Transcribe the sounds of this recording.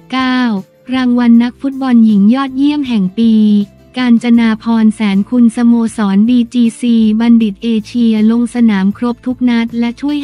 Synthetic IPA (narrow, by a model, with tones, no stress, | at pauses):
kaː˥˩w | ɾaː˧ŋwa˧nːa˦˥k̚fu˦˥t̪̚bɔ˧nji˩˦ŋjɔː˥˩t̪̚ji˥˩əmɦɛ˨˩ŋpiː˧ | kaː˧nt͡ɕa˧naː˧pʰɔː˧nsɛː˩˦nkʰu˧nsa˧moː˧sɔː˩˦ndiː˧t͡ɕiː˧siː˧ba˧ndi˨˩t̪̚ʔeː˧t͡ɕʰi˧ɐlo˧ŋsa˧naː˩˦mkʰɾo˦˥p̚t̪ʰu˦˥k̚na˦˥t̪̚lɛ˦˥t͡ɕʰu˥˩əj